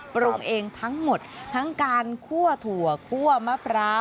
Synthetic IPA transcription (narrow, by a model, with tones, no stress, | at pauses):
pɾo˧ŋʔeː˧ŋt̪ʰa˦˥ŋmo˨˩t̪̚ʰːa˦˥ŋkaː˧nkʰu˥˩ɐt̪ʰu˨˩ɐkʰu˥˩ɐmaː˥˩pʰɾaː˦˥